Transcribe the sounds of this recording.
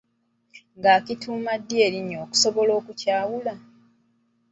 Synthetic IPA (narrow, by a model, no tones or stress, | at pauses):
ŋɡaːkituːmadːie̞ɾiɲːo̞ːku̥so̞βo̞lo̞ːkucaːwula